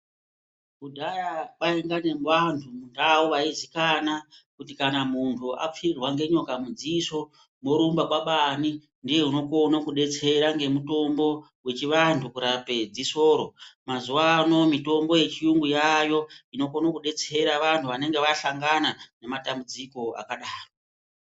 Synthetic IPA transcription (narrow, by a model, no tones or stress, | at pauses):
kudʱajaɓaiŋɡane̞mʋantʰumundawoʋaizikanakutikanamuntʰua̰p͡firwaŋɡe̞ɲo̞kamud͡ziso | moɾumbaɓwaɓani | ndije̞uno̞konokuɗe̞t͡se̞ɾaŋɡe̞muto̞mbo̞ | we̞t͡ʃiʋantʰukuɾape̞d͡ziso̞ːɾo̞mazuwano̞mito̞mbo̞je̞t͡ʃiuŋɡujajo̞ino̞konokuɗe̞t͡se̞ɾaʋantʰuʋane̞ŋɡe̞ʋaɬaŋɡanane̞matambud͡ziko̞a̰kaɗaːro